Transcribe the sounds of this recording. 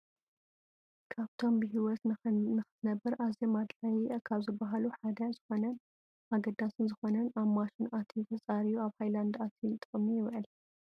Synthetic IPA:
kʰaβt̪ʰo̞mbɨɦiwɔt̪nɨxɨ̥t̪ʰɨnɐbːɨɾaβzemad̪ħajikʰaβzɨbːaɦaluħad̪ɐzɨxo̞nɐn | ʔaɡɐd̪asɨnzɨxo̞nɐnaβmaʃɨnʔat̪ʰit̪ʰɐt͡sʼaɾijuaβhajland̪at̪ʰijnt̪ʼɨχʼmijɪβʕɨl

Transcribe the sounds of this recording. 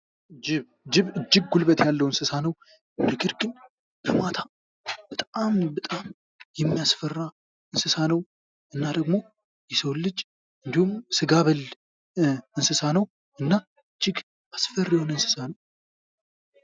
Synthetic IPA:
d͡ʒɪβ | d͡ʒɪβɨd͡ʒːɪɡ̚ɡulbət̪jalːəwɨnsɨsanəw | d̪ɨɡɨɾɡɨn | bʰɨmat̪ʰa | bət̪ʼambət̪ʼam | jɛmːijasfərːa | ɨnsɨsanəw | ʔɨnːad̪əɡmo̞ | jɛsəwlːɨd͡ʒ | ʔɨnd̪ihumsɨɡaβəl | ɨnsɨsanəw | ɨnːa | ɨd͡ʒːɪɡ | ʔasfərːijhonɨnsɨ̥sanəw

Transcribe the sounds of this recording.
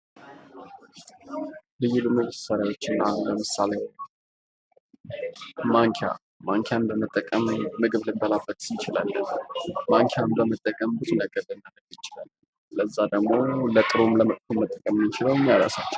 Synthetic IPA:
lɨjːulumɨɡɨsaɾjawo̞t͡ʃːɪnːaləmɨsale | maŋkʰja̰ | maŋkʰjambəmət̪ʼːəkʼəmːɨɡɨβlɨmb̪əlabət̪ʼjɪt͡ʃɪla̰lːənmaŋkʰjambəmət̪ʼːəkʼəmbɨt̪ʰunəɡʼəd̪ənːanəɡjɪt͡ʃɪlalːə | ləzːad̪əɡmo̞lət̪ʼɨɾumləmət̪ʼkʰomːət̪ʼːəkʼəmɨnɪt͡ʃɪləwɨmːijaɾa̰sat͡ʃːɛw

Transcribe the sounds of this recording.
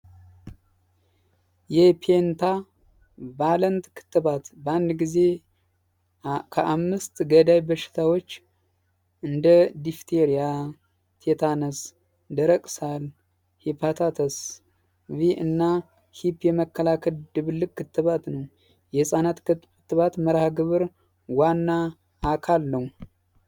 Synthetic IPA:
jɛpʰent̪ʰa | balənt̪kʰɨ̥t̪ːɨβat̪bəand̪ɡize̞ | kʰəʔamːɨst̪ɡəd̪ajbəʃɪ̥t̪ʰawo̞t͡ʃː | ʔɨnd̪əd̪ift̪ʰeɾija | t̪ʰet̪ʰanəs | d̪əɾəkʼsal | hepʰat̪ʰat̪ʰəs | viʔɨnːa | hipːjɛməkːəlakʰəld̪ɨβɨlːɨkʼkʰːɨt̪ːɨβat̪nəw | jɛsʼanat̪kɨt̪kɨt̪ːɨβat̪məɾahɡɨβɨɾ | wanːaː | kʰalːəw

